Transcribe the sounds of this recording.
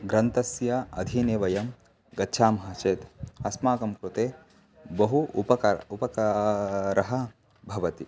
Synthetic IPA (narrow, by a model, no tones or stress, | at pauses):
ɡɾɐnt̪ɐsjɐɐ̰d̪ʱineːʋɐjɐm | ɡɐtːʃʰaːmɐɦɐt͡ʃeːt̪ɐsmaːkɐmkɾut̪eː | bɐɦuupɐkupɐkɐɾɐɦɐ̆ | bʱɐʋɐt̪i